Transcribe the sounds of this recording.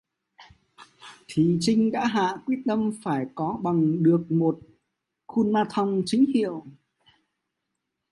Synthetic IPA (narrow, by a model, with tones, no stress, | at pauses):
t̪ʰi˨˦t͡ɕï˧ŋ̟ɗa̰ː˧˥ɦa̰ː˧˨kwi˦˥ət̚t̪ə˧mfaː˧˩jkɔ˨˦ɓa˨˩ŋɗɨ˨˩ək̚mo˨˩t̚ | xu˧nmaː˧t̪ʰa˧wŋ͡mt͡ɕï˨˦ŋ̟hḭ˧˨əw